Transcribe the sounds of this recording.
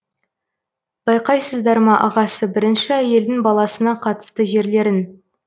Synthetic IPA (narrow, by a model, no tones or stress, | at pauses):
b̥ɑjqɑjsəzd̪ɑɾmɑʔɑʁɑsəbɪɾɪnʃɪæje̞ld̪ɪŋbɑlˠɑsənɑqʰɑt̪ə̥st̪əʒe̞ɾle̞ɾɪn